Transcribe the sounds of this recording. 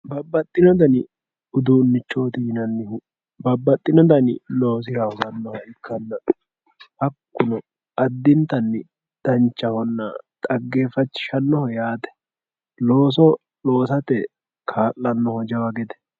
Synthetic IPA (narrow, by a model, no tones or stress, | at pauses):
bɐbːɐt̪ʼːɪnɔd̪ɐnɪ | ʊd̪unːɪt͡ʃːo̞ːt̪ɪhɪnɐnːɪhʊ | bɐbːɐt̪ʼːɪnɔd̪ɐnɪlo̞ːs̬ɪɾɐhɔzɐnːɔhɐɪkʰːɐnːɐ | ʔɐkːʊnɔ | ɐd̪ːɪnt̪ɐnːɪ | d̪̥ɐnt͡ʃːɐhɔnːɐ̰t̪ʼɐɡːe̞ːfɐt͡ʃːɪ̥ʃɐnːɔhɔjaːt̪ɛ̥ | lo̞ːs̬ɔ | lo̞ːsɐt̪ɛ | kʰaːlːɐnːɔhɔd͡ʒɐwɐɡɛd̪ɛ̥